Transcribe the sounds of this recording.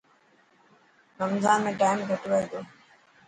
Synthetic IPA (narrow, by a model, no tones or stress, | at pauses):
kəmzʱaːmẽːʈaːɪmɡʱəʈʋəid̪oː